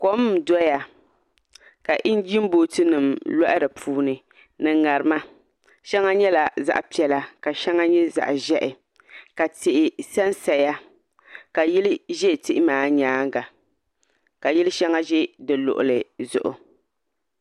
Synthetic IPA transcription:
ko˦m˦˨dɔ˦ja˨ | ka˨ʔɪ˦n˦d͡ʒi˦m˦bo˨tɨ˦nɨ˨mlɔ˦ʔɪ˦ɾɨ˨pʰuː˦nɨ˨ | nɨ˨ŋa˨ɾɨ˨ma˦ | ʃɛ˦ŋa˦ɲɛ˦la˨za̰˦ʔpi˨ɛ˨la˦ka˨ʃɛ˦ŋa˦ɲɛ˦za̰˨ʔʒɛ˦ʔɪ˨ | ka˨tɪ˨ʔɪ˨sa˦nsa˨ja˦ | ka˨ji˦lɪ˦ʒɛ˦˨tɪ˦ʔɪ˦maː˨ɲaː˨˦ŋ˦ɡa˨ | ka˨jɪ˦lɨ˦ʃɛ˦ŋa˦ʒɛ˦dɨ˨lʊ̰˨ʔʊ̰˨lɨ˨zʊ̰˨ʔʊ̰˨

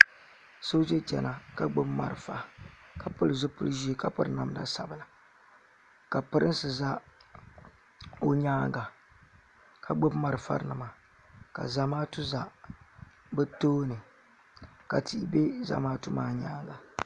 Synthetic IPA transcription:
so˦d͡ʒɛ˦t͡ʃɛ̰˨nʔa˨ka˨ɡ͡bo˦bma̰˨ɾfa˦ka˨pʊ˦lɨ˨zʊ˦pʊ˦lʒi˦˨ka˦pɨ˦ɾɨ˨na˨mda̰˦sa˨bɨ˨la˨ | ka˨pɨ˦ɾɨ˦n˦sɨ˨za˦ | o˦ɲaː˦ŋɡa˨ | kʰa˨ɡ͡bo˦bma˨ɾɨ˨fa̰˦ɾnɨ˨ma˨ | ka̰˨za˨maː˦tu˦za˦ | bɨ˦toː˦nɨ˨ | ka˨ti˦ʔbe˦za̰˨maː˦tu˦maː˦ɲaː˦ŋɡa˨

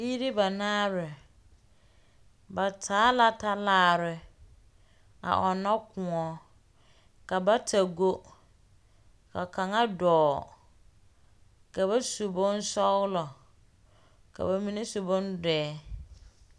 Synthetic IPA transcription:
bi˦ɾɪ˦ba˨naː˦ɾɪ˨ | ba˨tʰaː˨˦la˨ta˦laː˦ɾɪ˨ | a̰˨ʔɔ˨nɔ˦kʊ˨ɔ˨ | ka˨ba˦tʰa˨ɡo˦ | ka˨ka˨ŋa˦dɔː˨ | ka˨βa˦su˨bʊ˦n˦sɔ˦ɣʊ˦lɔ˨ | ka̰˨ba˨mĩ˦ne˦su˨bʊ˦ndɛː˨˦

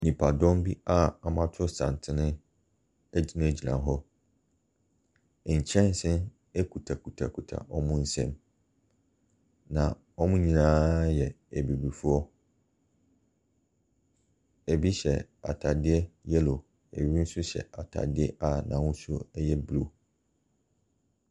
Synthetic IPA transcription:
nĩ˨pʰa˨dɔ̃˦mbi˦a˦˨a˨mã˦tʰʊ˦sã̰˨n˨tʰɪ˦nɪ̃˦ | ɛ˦d͡ʑi˦nã˦˨d͡ʑi˨nã̰˨ɦɔ˦˨ | ɲ̩˨t͡ɕʰɛ̃˦n˦sɪ̃˦n | e˦kʰu˨tʰa˨kʰu˨tʰa̰˨kʰu˨tʰa̰˨ʔɔ˦mʊ̃˦n̩˦sɛ̰̃˦m | nã˨ | ɔ˦mʊ̃˦ɲĩ˦nãː˦jɛ˨ | e˨bi˨bi˨fu˦ɔ˦ | e˨bi˦ɕɛ̰˨a̰˨tʰa˨dɪ˦ɛ˦jɛ˦lo˨ | e˨ɥi˦n̩˦sʊ˦ɕɛ̰˨a˨tʰa̰˨dɪ˦ɛ˦ʔa˦˨nã̰˨wʊ̃˦su˦ɛ˦jɛ˦blo˦˨

